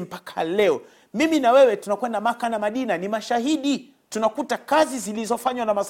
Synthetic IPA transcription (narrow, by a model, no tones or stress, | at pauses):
m̩pakʰalɛɔ | miminawɛwɛtunakwɛndamakanamaɗinanimaʃaɦiɗi | tunakutakazizilizɔfaɲwanamas